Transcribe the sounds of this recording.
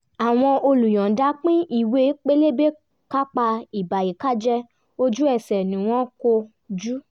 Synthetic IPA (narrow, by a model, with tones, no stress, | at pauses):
a˨w̃ɔ̃˧o˧lu˨j̃ɔ̃˨da˨˦k͡pĩ˦ʔi˦˨we˧˦k͡pe˦le˦be˦ | ka˦k͡pa˧i˨ba˨ji˨ka˦d͡ʒɛ˦ | o˧d͡ʒu˦ɛ˦˨sɛ˨nĩ˨˦w̃ɔ̃˦ko˧ | d͡ʒu˦